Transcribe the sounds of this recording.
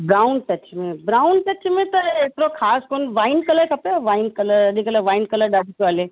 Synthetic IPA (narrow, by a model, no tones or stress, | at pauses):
bɾaːʊnʈ̪ɐt͡ʃmẽbɾaːʊnʈ̪ɐt͡ʃmẽt̪ɐet̪ɾokʰaːskonʋaːɪnkɐləɾkʰɐpeʋaːɪnkɐləɾɐdikɐləʋaːinkɐləɾɖaːʈikoaːleː